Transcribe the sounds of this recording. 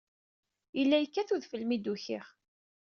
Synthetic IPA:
jəlːæjəkːæθuðfəlmid̪uçɪ̰ʁ

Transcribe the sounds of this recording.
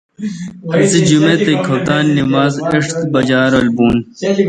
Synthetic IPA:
hɐsid͡ʑumet̪ekʰɐt̪aːnːimaːzeʂt̪bɐd͡ʑaːɾɐlbuːn

